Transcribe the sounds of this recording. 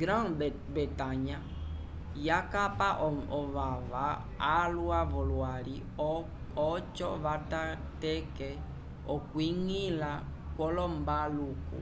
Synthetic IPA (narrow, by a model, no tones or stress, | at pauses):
ɡɾãn | bɛtaɲa | jakapaʔɔɔvavaː | luavɔlwaɾi | ɔt͡ʃɔ̰vata | tɛkɛ | ɔkwiŋila | kwɔlɔmbalukṵ